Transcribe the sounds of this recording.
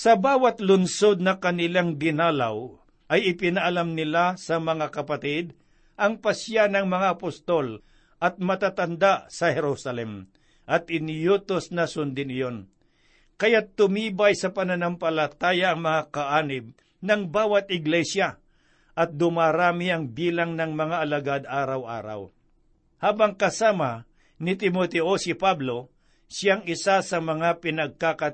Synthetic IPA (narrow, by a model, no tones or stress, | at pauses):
sɐbaːwɐt̪lʊnso̞d̪̚nɐkɐnɪlaŋd̪ɪnaːla̰w | ʔɐjɪpɪnɐʔɐlamnɪlasɐmɐŋakɐpɐt̪ɪd̪̚ | ʔɐŋpɐsjanɐŋmɐŋaɐpost̪ol | ʔɐt̪̚mɐt̪aːt̪and̪asɐhɛɾusɐlɛm | ʔɐt̪ɪnjuːt̪osnɐsʊnd̪ɪnɪjon | kɐjat̪ːʊmiːbajsɐpɐnɐnampɐlɐt̪aːjaʔɐŋmɐŋakɐʔaːnɪb̚ | nɐŋbaːwɐt̪̚ɪɡlɛsja | ʔɐt̪̚d̪ʊmaːɾaːmiʔɐŋbiːlaŋnɐŋmɐŋaʔɐlɐɡad̪aːɾɐwʔa̰ːɾɐ̰w | haːbɐŋkɐsaːmɐ | nɪt̪ɪmot̪ɛʔosɪpablo̞ | sɪaŋɪsasɐmɐŋapɪnɐɡ̚kakɐ